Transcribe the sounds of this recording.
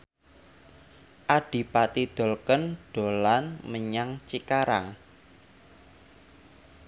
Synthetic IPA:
ʔaɖ̥i̤pat̪id̪̥o̤lkənɖ̥o̤lanməɲaŋt͡ʃikaɾa̰ŋ

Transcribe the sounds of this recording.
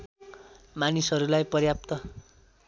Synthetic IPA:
manisɦʌɾulajpʌɾjap̚t̪ʌ

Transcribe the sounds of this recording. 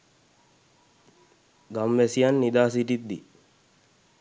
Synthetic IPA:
ɡɐmːesijɐnːid̪aːsiʈit̪ːi

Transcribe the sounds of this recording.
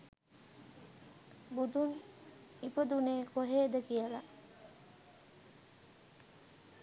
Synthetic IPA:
bud̪un | ipəd̪uneːkoɦeːd̪əkijəla

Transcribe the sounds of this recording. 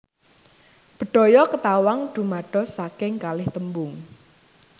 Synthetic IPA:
b̥ə̤ɖ̥ɔ̤jɔkət̪awaŋɖ̪̥ṳmaɖ̥ɔ̤sakɪŋkalɪht̪əmbʊŋ

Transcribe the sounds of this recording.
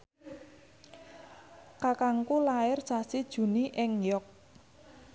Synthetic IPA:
kakaŋkulaɪrsasid̥ʒ̥ṳniʔɪŋjɔk̚

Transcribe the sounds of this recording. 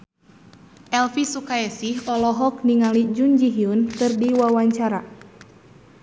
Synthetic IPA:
ʔɛlfisukaɛsihɔlɔɦɔk̚niŋalid͡ʒund͡ʒiɦiunkɨrdiwawaɲt͡ʃaɾa

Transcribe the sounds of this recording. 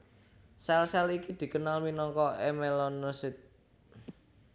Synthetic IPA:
sɛlsɛlikid̪̥i̤kənalwinɔŋkɔemelɔnːosɪt̪̚

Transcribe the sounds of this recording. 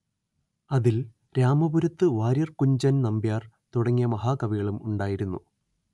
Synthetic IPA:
ɐðil | ɾaːmɐbuɾɐt̪ːɨʋaːɾjɐrkuɲd͡ʑɐnnɐmbjaːr | t̪uɽɐŋːijɐmɐɦaːkɐʋiɣɐɭumuɳɖaːjiɾunːu

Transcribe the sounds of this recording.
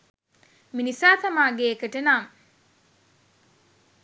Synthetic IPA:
minisaːt̪ɐmaːɡeːkəʈənaŋ

